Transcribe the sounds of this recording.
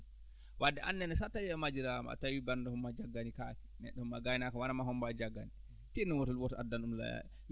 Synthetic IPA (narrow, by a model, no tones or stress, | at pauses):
wadːɛʔanːɛnɛsatawiɛmad͡ʒiɾama̰a̰tawibandɔhɔmːad͡ʒaɡːanikakɛ̥nɛ̰ɗːɔumːaɡajnakɔwanamahɔmbad͡ʒaɡːani | tinɔwɔtɔlwɔtɔa̰dːanɗumla̰ja̰ɛ